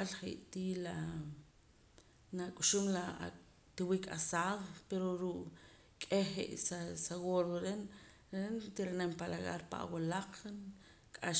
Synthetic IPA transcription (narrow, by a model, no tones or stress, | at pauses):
alχḭʔt̪ila | nakʼuʃumla | t̪iwika̰saːðpeɾoɾuʔ | kʼeχḛʔsasaɣoɾoɾen | ɾent̪iɾanempalaɣa̰ɾpa̰ʔa̰walaq͡χ | kʼaʃ